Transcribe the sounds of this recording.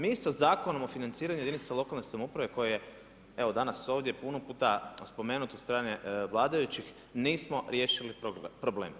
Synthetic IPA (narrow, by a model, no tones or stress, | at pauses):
miːsazaːko̞no̞mo̞finant̪siːɾaɲujed̪init̪selˠo̞kalne̞samoupɾaʋe̞ko̞jeje | e̞ʋod̪anaso̞ːʋd̪je̞punopuːt̪aspo̞me̞ːnut̪ot̪st̪ɾaːneʋlˠaːd̪ajut͡ɕix | niːsmo̞ɾjeʃiliopɾobleːm